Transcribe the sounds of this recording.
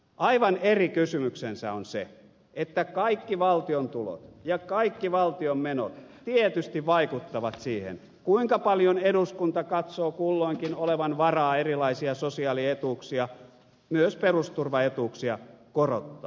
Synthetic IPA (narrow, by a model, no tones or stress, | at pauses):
ʔɑiʋɑnerikysymyksensæ̰onsḛ | et̪ːækɑikːiʋɑlt̪iont̪ulo̰t̪jɑkɑikːiʋɑlt̪iommeno̰t̪t̪iet̪yst̪iʋʋɑikut̪ːɑʋɑt̪siːhḛn | kuiŋkɑpɑljoneɾuskunt̪ɑkɑt̪soːkulːoiŋkinoleʋɑnʋɑrɑːerilɑisiɑsosiɑliet̪uːksiɑ | myøsperust̪urʋɑet̪uːksiɑkoro̰t̪ːɑ̰ː